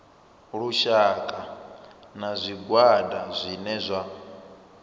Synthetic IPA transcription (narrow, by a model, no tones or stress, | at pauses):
ɺuʃakʼa | nazʷiɡwadazʷinɛzʷa